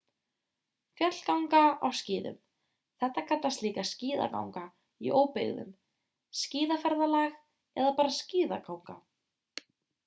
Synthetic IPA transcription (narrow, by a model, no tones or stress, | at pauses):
fjœt̪l̥kawŋkaa̰wsciːðʏ̰m | θɛht̪akʰant̪ast̪liːkasciːða̰ka̰wŋka | iʔoːwpɪ̰ɣðʏ̰m | sciːðafaɾðalaɣ | ɛðapaːɾasciːðakawŋka